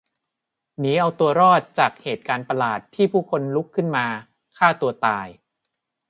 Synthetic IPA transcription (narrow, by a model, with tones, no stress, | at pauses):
niː˦˥ʔa˧wt̪u˧ɐɾɔː˥˩t̪̚t͡ɕaː˨˩k̚heː˨˩t̪̚kaː˧npa˧laː˨˩t̪ʰːiː˥˩pʰuː˥˩kʰo˧nlu˦˥kʰːɯ˥˩nmaː˧ | kʰaː˥˩t̪u˧ɐt̪aː˧j